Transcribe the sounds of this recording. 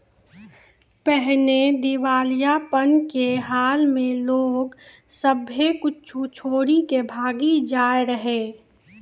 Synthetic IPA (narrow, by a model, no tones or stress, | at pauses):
pɛɦled̪ɪʋaːlijapənkeɦaːlmẽloːɡ | səbekʊt͡ʃʰut͡ʃʰoːɾikebʱaːɡid͡ʒaːjɾəɦeː